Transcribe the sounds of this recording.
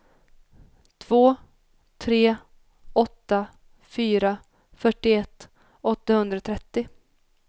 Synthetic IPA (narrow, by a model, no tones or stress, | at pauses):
t̪ʰv̥oː | t̪ʰɾeː | ɔt̪ːa | fyːɾa | fœʈːɪɛt̪ː | ɔt̪ːahɵnd̪ɾat̪ʰɾɛt̪ːɪ